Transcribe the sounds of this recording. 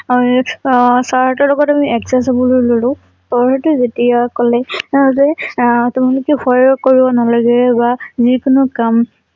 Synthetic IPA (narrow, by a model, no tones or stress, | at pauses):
ami | saɹhɔtɔlɔɡɔtamiɛksɛs̬abɔlololʊ̃ | tɔɹɦɛtʊzetijakɔlɛzɛtʊmalʊkɛxɔjɹɔkoɹibɔnalaɡɛɛbazikʊnʊkam